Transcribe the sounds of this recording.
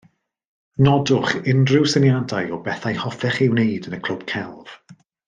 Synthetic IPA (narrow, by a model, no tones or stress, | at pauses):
nɔdʊχɪndrɪwsɪnjadajɔbɛθajhɔfɛχɪwneɨdənəkʰl̥ʊb̥̚kʰɛlˠv̥